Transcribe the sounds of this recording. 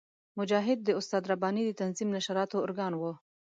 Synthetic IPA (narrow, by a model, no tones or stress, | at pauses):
mʊd͡ʒɑɦɪd̪̚ːəʊst̪ɑd̪ɾabɑnid̪ət̪anzimnaʃaɾɑt̪oːɾɡɑnwə